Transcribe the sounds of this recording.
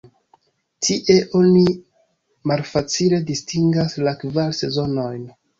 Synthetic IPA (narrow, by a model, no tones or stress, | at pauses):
tʰiʔe̞ʔo̞ni | malfat͡sile̞distiŋɡaslakvalse̞zo̞no̞jn